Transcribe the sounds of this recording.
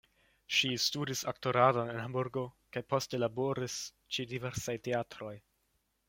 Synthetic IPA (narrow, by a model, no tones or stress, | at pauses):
ʃistudisaktoɾadone̞nɦambuɾɡo̞kajpo̞ste̞labo̞ɾis | t͡ʃidiveɾsajteatɾo̞j